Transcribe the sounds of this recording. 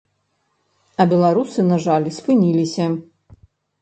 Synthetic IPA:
ɐbʲɛlˠaɾusɨnaʐalʲspɨnʲilʲisʲɐ

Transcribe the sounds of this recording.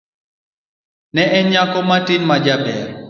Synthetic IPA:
nɛʔɛɲakɔmatɪnmad͡ʒabɛ̰ɾ

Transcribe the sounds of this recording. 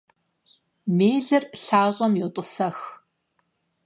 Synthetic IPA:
meːɮɨrɬaːʁɐmjotʼʊsɐx

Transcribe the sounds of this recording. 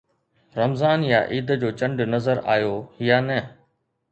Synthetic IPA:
ɾɐmzaːnja̰ʔiːd̪d͡ʑoːt͡ɕɐ̃ɳɖnɐzəɾa̰ːjoːɦijanɛː

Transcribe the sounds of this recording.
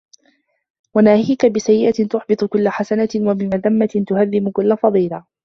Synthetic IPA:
wanaːhiːkabɪsajːɪʔat̪ʊħbɨt̪ˤʊkʊlːaħasanat̪ɪwabɪmaðamːat̪ɪnt̪ʊhaðːɪmʊkʊlːafɑðˤiːla

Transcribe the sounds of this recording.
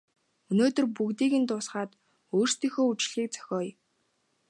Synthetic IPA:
ɵnoːt̪ɵ̆rpuɣt̪iːɣɘ̆nt̪ʊːsχaːt̪ | oːr̥st̪iːxoːut͡ɕɮ̥iːk̚t͡sʰœ̥xʲɔːj

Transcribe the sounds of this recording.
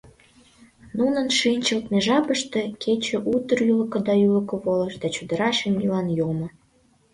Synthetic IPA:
nunənʃinʲt͡ɕəlt̪meʒɑpəʃt̪ekʰet͡ɕĕʔut̪ərjyləkə̆d̪ɑylə̆kəβoləʃd̪ɑt͡ɕud̪ə̆ɾɑʃemilɑnjomo

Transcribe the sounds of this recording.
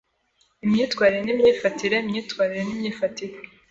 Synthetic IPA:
imɲiːtkwaːɾiɾenimɲiːfatiɾeimɲiːtkwaːɾiɾenimɲiːfatiɾe

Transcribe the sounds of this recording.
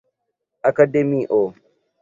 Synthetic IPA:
ʔakademiʔoː

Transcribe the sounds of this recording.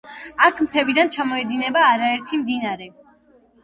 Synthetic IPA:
akʰmt̪ʰɛbid̪ant͡ʃʰamɔɛd̪inɛbaːɾaɛɾt̪ʰimd̪inaɾɛ

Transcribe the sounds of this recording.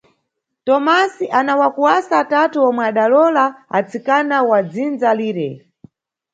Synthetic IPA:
tɔmasiʔanawakuwasaːtatuɔmwɛaɗalɔlaa̰t͡sikanawad͡zind͡zaliːɾɛ

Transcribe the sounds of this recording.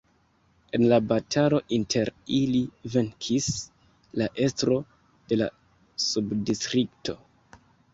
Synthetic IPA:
e̞nlabatʰalo̞ʔintʰe̞ɾiliveŋkʰis | laʔe̞stɾo̞ | d̥e̞la̰ | subdistɾiktʰo̞

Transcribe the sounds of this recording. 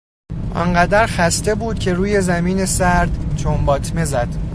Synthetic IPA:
ʔɒ̰nɢæd̪æɾxæst̪e̞buːd̪̥cʰe̞ɾuːje̞zæmiːne̞sæɾd̪̥t͡ʃʰombɒːt̪ʰme̞zæd̪̥

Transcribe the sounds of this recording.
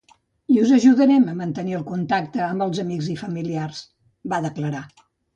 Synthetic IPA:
iuzəʒuðəɾɛməmənt̪əniəlˠkunt̪ak̚t̪əːmbəlˠzəmiɡzifəmiliars | baðəkləɾa

